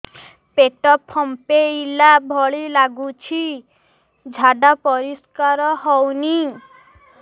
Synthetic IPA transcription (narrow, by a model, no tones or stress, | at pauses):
peʈɔpʰːɔmpeilabʱɔɭilaɡut͡ʃʰi | d͡ʒʱaɖapɔɾiskaɾɔɦɔwni